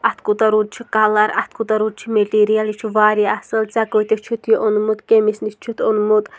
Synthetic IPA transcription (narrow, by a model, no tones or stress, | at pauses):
at̪kʼut̪aɾud̪̚t͡ʃʰikalaɾa̰t̪kut̪aɾud̪̚t͡ʃʰimɛliɾijalit͡ʃʰuvaːɾiasəlt͡saɡɔjt̪ɛt͡ʃʰut̪ʰjɔʔɔnmut̪kʼɛmisnist͡ʃʰut̪ʰɔnmut̪ʼ